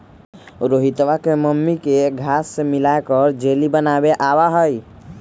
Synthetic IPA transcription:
ɾoːɦit̪ʋakeməmːikeɡʱaːsːemɪlaekəɾd͡ʒeːlibənaːbeʔawaɦəi

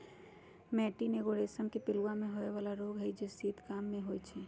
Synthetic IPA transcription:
mɛʈineɡoɾesənkepɪluwamẽɦoeʋalaɾoɡɦəjd͡ʒesiːt̪kamːẽɦojt͡ʃʰi

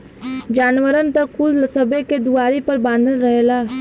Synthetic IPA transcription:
d͡ʒaːnʋəɾənt̪ɐkkʊləsəbeked̪uaːɾipɐɾbãːnd̪ʱənɾɐɦelaː

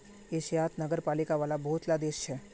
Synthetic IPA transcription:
eʃjaːt̪nəɡəɾpaːlikaʋaːlabɔɦʊt̪lad̪eːʃt͡ʃʰɛː

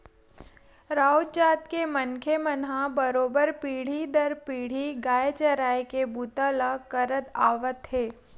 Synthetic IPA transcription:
ɾaːot͡ʃaːt̪kemənkʰemənɦãbəɾoːbəɾpiːɽ̤id̪əɾpiːɽ̤iɡaːet͡ʃəɾaːekebut̪alakəɾət̪aːʋət̪ɦeː

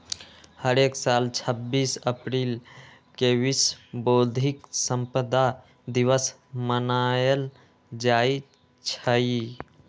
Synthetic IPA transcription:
həɾeːksaːlt͡ʃʰəbːiːsəpɾiːl | kewisboːd̪ʱiksəmpəd̪a | d̪iwəs | mənaːjəl | d͡ʒaːi | t͡ʃʰəi

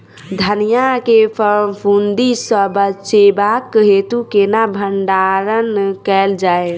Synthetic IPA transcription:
d̪ʱənijakepʰəɾmpʰund̪isəbət͡ʃebakːɦet̪ukenabʱəɳɖaɾənkɛld͡ʒae

